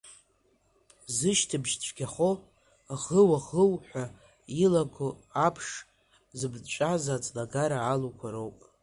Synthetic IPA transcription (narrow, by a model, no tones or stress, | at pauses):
zɨʃtʰɨbʒt͡ɕʷʰʼɡʲaχo | ʁəwaʁəwħʷa | ilaɡʰʷʊapʰʂ | zɨbt͡ʃʷʼazat͡sʼlaɡaɾaːlukʷʰaɾowpʼ